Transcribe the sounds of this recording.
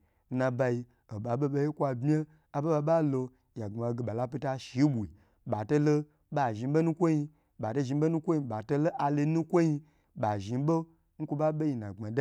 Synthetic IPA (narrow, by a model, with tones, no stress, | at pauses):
na˧ba˧i˧ | o˨ba˨bo˦ba˧ji˦kʷa˧bmʲ˦e˦ | a˨ba˦ba˧ba˦lo˧ | ja˨ɡ͡ba˨ɡe˨ba˨la˦pi˧ta˧ʃi˨˦bʷu˨i˨ | ba˨to˦lo˦ | ba˨ʒi˧˦bo˦nu˦kʷo˦ji˧ | ba˨to˧˦ʒi˧˦bo˦nu˦kʷo˦ji˧ba˨to˦lo˦ʔa˧lo˧˦nũ˦kʷo˦ji˧ | ba˨ʒi˨˧˦bo˦ | ŋ̩˦kʷo˧ba˦be˦ji˧nã̰˨ɡ͡ba˨da˦